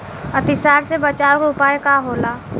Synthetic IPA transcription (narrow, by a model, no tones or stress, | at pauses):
ət̪ɪsaːɾsebət͡ʃaːokʊpaːjekaɦoːlaː